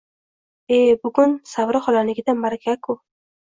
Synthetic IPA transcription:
ebʊɡʊnsavɾɪχɒlanɪɡʲɪd̪anbaɾakʲʰakʰʊ

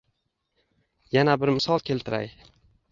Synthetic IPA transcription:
janabɪɾmɪsɒlˠkʲʰe̞lt̪ʰɪɾa̰j

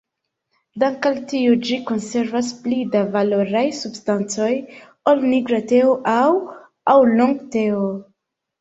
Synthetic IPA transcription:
daŋkaltiod͡ʒiko̞nse̞ɾvasplidavalo̞ɾajsubstant͡so̞j | olniɡɾate̞oʔaw | awloŋɡte̞o

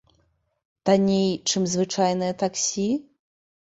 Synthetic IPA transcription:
t̪anʲejt͡ʂɨmzvɨt͡ʂajnɨjɐt̪aksʲi

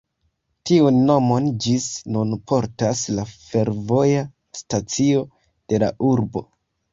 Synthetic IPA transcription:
tiunːo̞mo̞nd͡ʒisnunpʰo̞ɾtaslafe̞ɾvo̞ja | stat͡sio̞ | d̥e̞la̰ʔuɾbo̞̰

